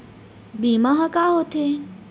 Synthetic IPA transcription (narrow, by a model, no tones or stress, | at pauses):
bimaɦakaːɦot̪ʰe